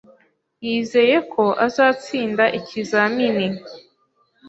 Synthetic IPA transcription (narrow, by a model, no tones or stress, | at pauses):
jiːze̞ːje̞kʰo̞ʔazaːt͡siːndaʔicʰizamini